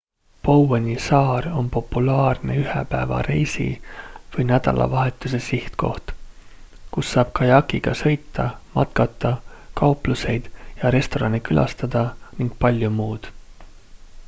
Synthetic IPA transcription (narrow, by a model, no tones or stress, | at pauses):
po̞wenʲisɑːro̞npo̞pːulɑːrne̞̰yhepæevɑ̰ɾe̞jsḭvɤjnæd̪̥ɑ̰lʔɑ̰vɑɦe̞t̪ːˑuse̞siht̪ko̞ht̪ | kusːɑːb̥̚kɑjɑkːˑiɡ̥ɑsɤ̞jt̪ːˑɑmɑ̰t̪kɑt̪ːˑɑkɑwpluse̞jd̪̥jɑɾe̞st̪o̞ɾɑnikylɑ̰st̪ɑd̪̥ɑniŋɡ̥̚pɑlʲjumuːd̪̥